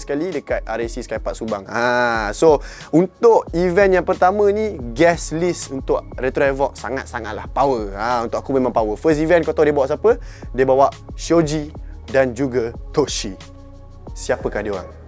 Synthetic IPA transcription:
skalidəkat̪̚aɾesiskajpat̪̚subaŋaso | unt̪ʊʔivɛnjaŋpərt̪amə̃nĩɡɛslisunt̪ʊʔɾɛt̪ɾɔɛvɔk̚saŋa̰t̪̚saŋat̪̚lahpawəaunt̪ʊkakumẽmãŋpawəfəs̬tivɛnkot̪ɔdiəbawaʔs̬apədiəbawaʔʃiod͡ʒidand͡ʒuɡət̪oʃi | siapəkahdioɾa̰ŋ

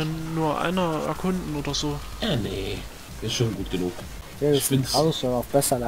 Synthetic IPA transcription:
ɪnuːɐʔa̰ɪnɐɛ̰ɐkʰʊndn̩ʔoːdɐz̥oːjaːne̥ | ɪsʃoːnɡuːt̚ɡ̥ənuːk | jeçfɪntalsonaʊfb̥ɛsɐlɛ

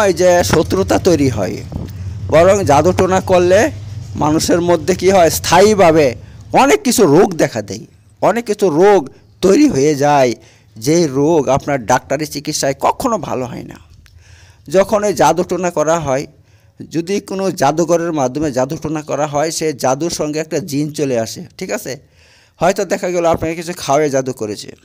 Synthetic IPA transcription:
ɔjd͡ʒesot̪ɾot̪at̪ojɾiɦɔ̰j | bɔɾɔŋd͡ʒad̪uʈonakɔlemanuseɾmod̪ʱːekiɦɔest̪ʰajbʱaβeɔnekːit͡ʃʰuɾoɡd̪ɛkʰad̪ḛj | ɔnekːit͡ʃʰuɾoɡ | t̪ojɾiɦojed͡ʒae | d͡ʒejɾoɡapnaɾɖak̚ʈaɾit͡ʃikit̪saekɔkʰːonobʱa̰loɦɔ̰jna̰ | d͡ʒɔkʰɔned͡ʒad̪uʈunakɔɾaɦɔe | d͡ʒud̪ikonod͡ʒad̪uɡɔɾeɾmad̪ʱːɔmed͡ʒad̪uʈunakɔ̰ɾaɦɔejsed͡ʒad̪uɾsɔŋɡeɛk̚ʈad͡ʒint͡ʃoleaseʈʰikase | hɔjt̪ɔd̪ɛkʰaɡelɔapnakekit͡ʃʰukʰaoed͡ʒad̪ukɔɾet͡ʃʰḭ

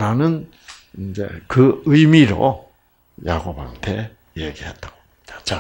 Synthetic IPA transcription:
ɾanɯn | ind͡ʑe̞̰kɯɯimiɾo̰ | jaɡoba̰ŋtʰe | jeɡiɦe̞t̚t͈aɡo | tat͡ɕa

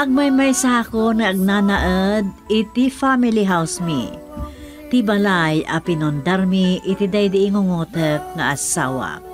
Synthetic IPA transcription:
ʔɐɡ̚majmajsakonɐʔɐɡ̚nanaʔəd̪̚ɪt̪ifamiliɦawsmḭ | t̪ibalajʔɐpɪnʊnd̪aɾmiʔɪt̪id̪ajd̪ɪʔɪŋʊŋot̪ək̚ŋɐʔasa̰wa̰

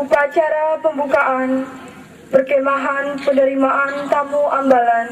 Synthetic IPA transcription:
upat͡ʃaɾapəmbukaʔan | pərkemaɦanpənəɾimaʔant̪amuʔambalan

